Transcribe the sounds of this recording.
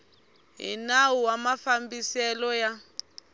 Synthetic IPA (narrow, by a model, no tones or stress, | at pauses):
ɦḭnawuwamafambisɛlɔja